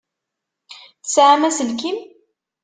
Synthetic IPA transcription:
θəsʕamæsəlkim

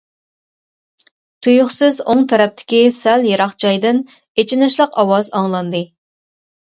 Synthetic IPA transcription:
t̪ʰujuχsɨzoŋt̪ʰɛɾɛp̚t̪ʰɪ̥kʲisæljeɾɑχt͡ʃʰɑjd̪ɨn | et͡ʃʰinɨʃlˠəqɑwɑzɑŋlˠɑnd̪ɨ

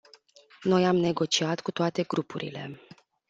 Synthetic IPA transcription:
no̞jamne̞ɡo̞t͡ʃiat̪kut̪oat̪e̞ɡɾupʰuɾḭle̞̰

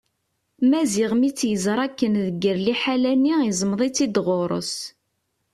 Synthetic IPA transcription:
mæziʁmit͡sːjəzɾˤækːənðəɡːəɾliħalænːiizmðˤit͡sːid̪ʁoɾˤə̰s

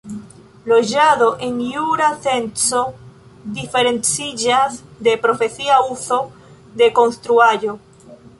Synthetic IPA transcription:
loʒaðoʔeŋjuɾaθenso | d̪ifeɾẽnsiʝazðepɾofeθiauθo | ðekonst̪ɾuaʎo

